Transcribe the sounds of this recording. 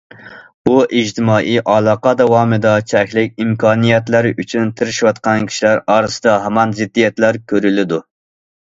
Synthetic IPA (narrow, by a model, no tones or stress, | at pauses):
uʔid͡ʒt̪ʰɪmɑːʔijʔɑlˠɑːqɑd̪ɑwɑːmɨd̪ɑt͡ʃʰɛkʲlɪkʲimkʰɑːnijɛt̪lɪɾyt͡ʃʰynt̪ʰɪɾɪʃwɑt̪̚qɑnkʲʰi̥ʃilæɾɑːɾɨsɨd̪ɑɦæmɑnzɪd̪ːijɛt̪læɾkʲʰøɾylɪd̪u